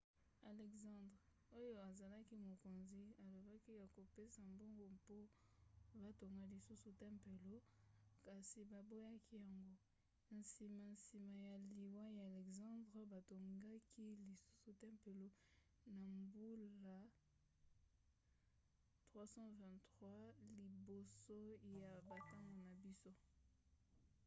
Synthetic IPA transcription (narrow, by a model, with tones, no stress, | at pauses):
a˨lɛ˨ksɑ̃˦ndʁ | o˦jo˦a˨za˨la˦ki˦mo˨ko˨nzi˨a˨lo˨ba˦ki˦ja˨ko˨pe˦sa˨mbo˦ŋɡo˦po˦ | ba˨to˨ŋɡa˦li˨su˦su˨tɛ˦mpe˨lo˦ | ka˨si˨ba˨bo˦ja˦kʰi˦ja˨ŋɡo˦ | n̩˨si˨ma˨nsi˨ma˨ja˨li˨wa˦ja˨lɛ˨kzã˦dʁɛ˦ba˨to˨ŋɡa˦kʰi˦li˨su˦su˨tɛ˦mpe˨lo˦ | na˨mbu˦lla˦ | tχwa˦sɑ̃˦vɛ̃˨ntʁwa˦li˨bo˨so˦ja˨ba˨ta˦ŋɡo˨na˨bi˦so˦